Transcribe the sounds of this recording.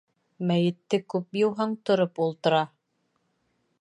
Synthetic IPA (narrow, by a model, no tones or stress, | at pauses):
mæjɘ̆t̪ːɘkʉpjɤ̆wɦɑɴt̪ŏɾopulˠt̪ɤ̆ɾɑ